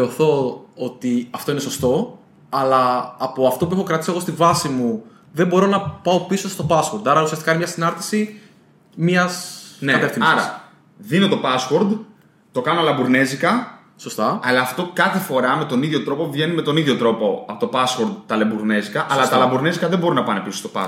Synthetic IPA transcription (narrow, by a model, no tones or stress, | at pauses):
θeoθo̞ot̪iɐft̪o̞ineso̞st̪o̞ | ɐlɐːpo̞ɐft̪o̞p̬uexo̞kɾɐt̪isie̞ɣo̞st̪ivɐsimu | ðembo̞ɾo̞nɐpɐo̞pisost̪o̞pɐswoɾd̪ɐɾɐusiɐsti̥kɐinemɲɐsinɐɾt̪i̥si | miɐsneɐt̪efθinɐɾɐ̰ | ðinot̪o̞pɐswoɾd̪ | t̪o̞kɐnoɐlɐmbuɾne̞zikɐ | so̞st̪ɐɐlɐːft̪o̞kɐθe̞fo̞ɾɐme̞t̪o̞niðʝo̞t̪ɾo̞po̞vʝe̞nimet̪o̞niðʝo̞t̪ɾo̞po̞ɐpo̞t̪opɐsxoɾd̪t̪ɐlebuɾne̞zikɐʔɐlɐt̪ɐlɐmbuɾnezikɐðembo̞ɾunɐpɐne̞pisost̪opɐ̰